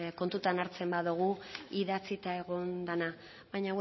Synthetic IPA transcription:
ko̞nt̪ut̪anaɾt͡se̞mbaðuɣ̞uiðat͡sit̪ae̞ɣo̞nd̪ana | βajɲa

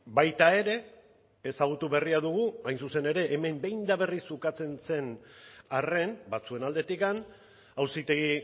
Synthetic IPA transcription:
bajt̪ae̞ɾe̞ː | saɣ̞ut̪uβe̞riaðuɣ̞uajnsuse̞ne̞ɾe̞ʔːme̞mbe̞jnd̪aβe̞risukat͡se̞nse̞nare̞nbat͡sue̞nald̪e̞t̪ikan | awsit̪e̞ɣi

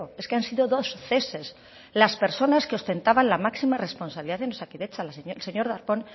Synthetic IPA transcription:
oe̞skeansiðoðo̞sθe̞se̞s | laspe̞ɾso̞naskeo̞st̪e̞nt̪aβanlamaksimare̞spo̞nsaβliðaðenosakiðet͡ʃalaslseɲo̞ɾðaɾpo̞n

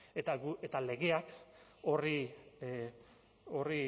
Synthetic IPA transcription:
et̪aɡuet̪ale̞ɣe̞akori | ori

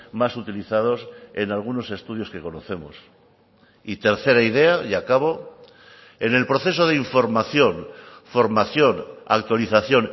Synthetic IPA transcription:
masut̪iliθað̞o̞se̞̰nalɣ̞uno̞se̞st̪uð̞jo̞ske̞ko̞no̞θe̞mo̰s | it̪e̞ɾθe̞ɾaiðe̞aʝakaβ̞o̞ | e̞ne̞lpɾo̞θe̞so̞ð̞eiɱfo̞ɾmaθjo̞nfo̞ɾmaθjo̞na̰k̚t̪waliθaθjo̞n

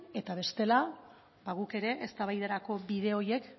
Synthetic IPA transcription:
e̞t̪aβe̞st̪e̞la | baɣ̞uke̞ɾe̞ʔest̪aβajðeɾako̞βiðe̞o̞je̞k

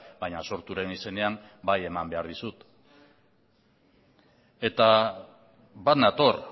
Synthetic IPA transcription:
baɲaso̞ɾt̪uɾe̞nise̞ne̞am | baje̞mambe̞aɾðisut̪ | e̞t̪a | bat̪nat̪o̞ɾ

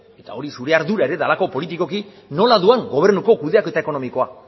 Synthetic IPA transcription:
e̞t̪ao̞ɾisuɾe̞aɾðuɾae̞ɾe̞ðalako̞po̞lit̪̬iko̞ki | no̞laðuaŋɡo̞β̞e̞ɾnuko̞kuðe̞akoe̞t̪aeko̞no̞miko̞a

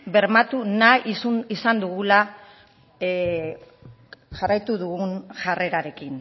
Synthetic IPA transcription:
be̞ɾmat̪unaisuisand̪uɣula | ʝarajt̪uðuɣunʝare̞ɾaɾe̞kin

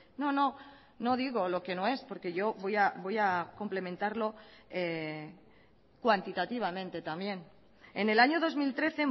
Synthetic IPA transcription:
no̞no̞ | no̞ð̞iɣo̞lo̞ke̞no̞e̞spo̞ɾke̞ʝo̞βojabo̞jako̞mple̞mẽ̞nt̪aɾlo̞e | kwant̪it̪at̪iβ̞amẽ̞nt̪e̞t̪amje̞n | ene̞laɲo̞ðo̞zmilt̪ɾe̞θe̞

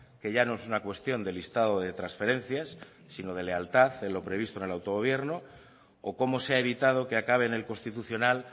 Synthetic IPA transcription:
ke̞ʝano̞esunakwe̞st̪jo̞nd̪e̞list̪að̞oðe̞t̪ɾansfe̞ɾẽ̞nθjasː | ino̞ð̞e̞le̞alt̪aθe̞nlo̞pɾe̞β̞ist̪onelawt̪o̞ɣ̞o̞β̞je̞ɾno | oko̞mo̞seaeβ̞it̪að̞oke̞akaβe̞ne̞lko̞nst̪it̪uθjo̞nal

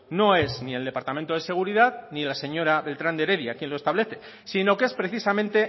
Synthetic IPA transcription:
no̞e̞znie̞ld̪e̞paɾt̪amẽnt̪oðe̞se̞ɣ̞uɾiðaðnilase̞ɲo̞ɾaβe̞lt̪ɾand̪e̞ɾe̞ðjakje̞nloest̪aβle̞θe̞ | sino̞keespɾe̞θisamẽnt̪e̞

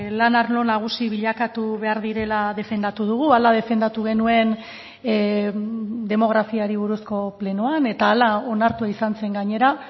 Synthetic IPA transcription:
lanaɾlo̞naɣ̞usiβiʎakat̪uβe̞aɾðiɾe̞laðe̞fe̞nd̪at̪uð̞uɣ̞ualað̞e̞fe̞nd̪at̪uɣe̞nue̞n | d̪e̞mo̞ɣ̞ɾafiaɾiβ̞uɾusko̞ple̞nuane̞t̪aːlao̞naɾt̪uaisanse̞ŋɡaɲe̞ɾa

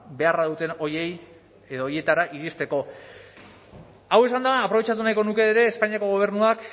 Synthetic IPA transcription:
be̞araðut̪e̞no̞je̞j | eðoːje̞t̪aɾaʔiɾist̪e̞ko̞ | awe̞sand̪aːpɾo̞βe̞t͡ʃat̪̬unajko̞nuke̞ːɾe̞ːspaɲiako̞ɣo̞β̞e̞ɾnuak

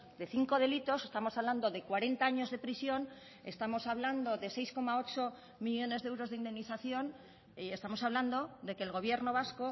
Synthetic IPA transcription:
d̪e̞θiŋko̞ð̞e̞lit̪o̞se̞st̪amo̞saβland̪o̞ðe̞kwaɾe̞nt̪aaɲo̞zðe̞pɾisjo̞n | e̞̰st̪amo̞saβ̞land̪o̞ðe̞se̞jsko̞mao̞t͡ʃo̞ | miʎo̞ne̞zðewɾo̞zðeind̪e̞mniθaθjo̞n | ie̞st̪amo̞saβland̪o̞d̪e̞ke̞ːlɣo̞βje̞ɾno̞βasko̞

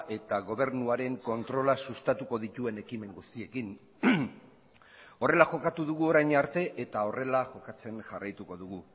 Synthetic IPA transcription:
ʔe̞t̪aɣo̞β̞e̞ɾnuaɾe̞ŋko̞nt̪ɾo̞lasust̪at̪uko̞ðit̪ue̞ne̞kime̞ŋɡust̪ie̞kin | o̞re̞laʝo̞kat̪uðuɣ̞uo̞ɾajɲaɾt̪e̞ʔet̪ao̞re̞laʝo̞kat͡se̞nʝarajt̪uko̞ðuɣ̞u

